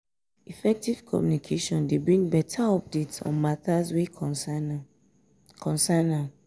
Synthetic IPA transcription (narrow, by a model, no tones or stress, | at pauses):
ifɛk̚tiv̥kʰɔ̰mjunikʰeʃɔ̃ndebɹĩŋbɛtʰaɔp̚detsɔ̰̃nmatʰaswe | kʰɔ̃nsanã